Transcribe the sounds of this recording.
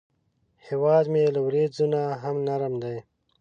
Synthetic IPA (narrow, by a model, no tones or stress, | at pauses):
hewɑːd̪meːlawɾeːd̪zunaɦamnaɾəmd̪aj